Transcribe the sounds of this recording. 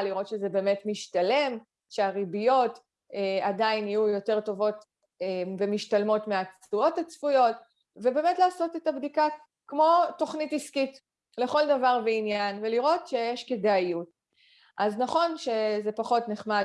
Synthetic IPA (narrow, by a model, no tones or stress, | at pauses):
liʁo̞tʃezebe̞ːme̞tmiʃtale̞m | ʃeaʁibijo̞t | eadainijujo̞te̞ʁto̞vo̞t | emvemiʃtalmo̞tmeat͡suo̞tat͡sfujo̞t | vebe̞ːmetlaːso̞tetabdika | kmo̞to̞χnitiskit | le̞χo̞ldavaʁveinjanveliʁo̞tʃe̞jeʃkedaijut | ʔaznaχo̞nʃe̞ze̞paχo̞tneχma